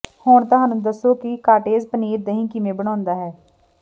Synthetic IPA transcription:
hoːɳt̪ʊɦaːnũːd̪əsːoːkɪkaːʈeːzpəniːɾd̪əɦĩːkɪmẽːbəɽ̃ãːnd̪aːɦɛː

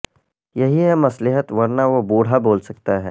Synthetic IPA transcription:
jɐɦiɦɛmɐslɪɦət̪ʋɐɾnaʋobuːɽ̤aboːlsɐk̚t̪aɦɛ̰ː

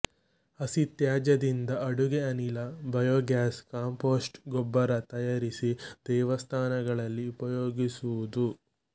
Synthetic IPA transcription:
ɐsit̪jaːd͡ʒɐd̪ind̪ɐɐɽuɡeɐnilɐbɐjoːɡaːskaːmpoːsʈɡɔbːɐɾɐt̪ɐjaːɾisid̪̥ɛːʋɐst̪ʰaːnɐɡɐɭɐlːiupɐjoːɡisuʋud̪u

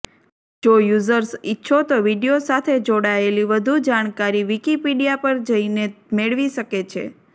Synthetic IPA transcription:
d͡ʒojuzəɾsitːʃʰot̪oʋiɖijosat̪ʰed͡ʒoɽaeliʋəd̪ʱud͡ʒaɽ̃kaɾiʋikipiɖijapəɾd͡ʒəinemeɭʋiʃəket͡ʃʰḛ

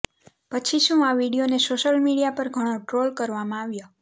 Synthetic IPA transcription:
pət͡ʃʰiʃũaʋiɽijonesoʃəlmiɽijapəɾɡʱəɽ̃õʈɾolkəɾʋamãaʋjo

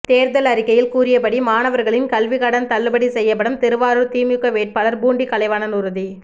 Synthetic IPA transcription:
t̪eːɾðɐlɐɾɪkːɐjɪlkuːɾɪjɐpɐɽimaːnɐʋɐɾɣɐɭɪnkɐlʋɪɣɐɽɐnt̪ɐlːɯbɐɽisɛjːɐp̬ːɐɽɯmt̪ɛɾɯʋaːɾɯɾt̪iːmɯkːɐʋeːʈ̚paːlɐɾbuːɳɖikɐlɐɪʋaːnɐnʊɾɯði

